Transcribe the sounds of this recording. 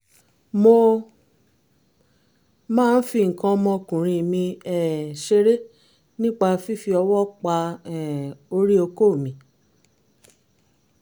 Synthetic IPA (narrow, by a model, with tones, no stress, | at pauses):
mo˧ | mãː˦˧n̩˦fi˧ŋ̩˨kã˧mɔ̃˧kũ˨ɾ̃ĩ˧˨mĩ˧ɛ˨ʃe˧ɾe˦ | nĩ˦k͡pa˧fi˦fi˧ɔ˧wɔ˦k͡pa˧ɛ˨o˧ɾi˦o˧ko˦˨mĩ˨